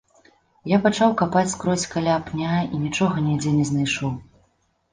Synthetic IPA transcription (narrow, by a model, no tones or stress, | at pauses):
japat͡ʂawkapat͡sʲskɾɔt͡sʲkalʲaːpnʲainʲit͡ʂɔɣɐnʲɛd͡zʲɛnʲɛznajʂɔw